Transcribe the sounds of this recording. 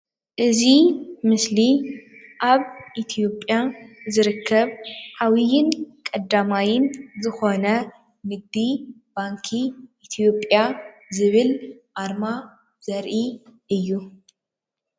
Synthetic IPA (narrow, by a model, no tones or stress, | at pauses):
ʔɨzimɨsliʔaβʔit̪ʰijo̞pʼjazɨɾɨkʰːɐβħawijɪnkʼɐd̪ːamajɪnzɨxo̞nɐ | nɨɡ̚d̪i | baŋkʰiʔːt̪ʰijo̞pʼjazɨβɨlʔaɾma | z̥ɐɾʔiʔɨjːu